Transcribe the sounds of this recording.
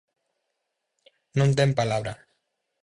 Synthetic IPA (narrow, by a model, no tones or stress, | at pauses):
nõnt̪empalaβɾa